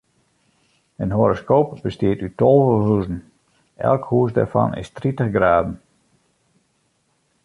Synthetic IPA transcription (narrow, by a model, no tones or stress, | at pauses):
ənɦoɾoskoːpb̥əstɪətytolˠvəhuzn̩ | ɛ̰lˠkhuəsda̰fɑ̰nɪ̰stritəxɡraːdn̩